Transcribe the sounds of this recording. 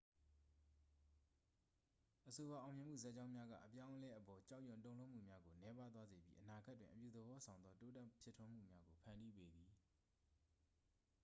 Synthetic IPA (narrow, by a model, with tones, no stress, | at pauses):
ʔəso˨wa˨ʔã˨ʊ̃mjɪ̃˨m̥ṵ˦˨za˦ʔt͡ɕã˦ʊ̃mja˦ɡa̰˦˨ʔəpjã˦ʊ̃ʔəlɛ˦ʔəpɔ˨t͡ɕa˦ʔjʊ̃˨ntõ˦ʊ̃lo˦ʔm̥ṵ˦˨mja˦ɡo˨nɛ˦pa˦t̪wa˦ze˨bjḭ˦ʔəna˨əɡa˦tːwɪ̃˨ʔəpjṵ˦˨d̪əbɔ˦sʰã˨ʊ̃nd̪ðɔ˦to˦tɛ˦˨pʰjɪ˦˨tʰwʊ̃˦m̥ṵ˦˨mja˦ɡo˨pʰã˨ndi˦pe˦d̪i˨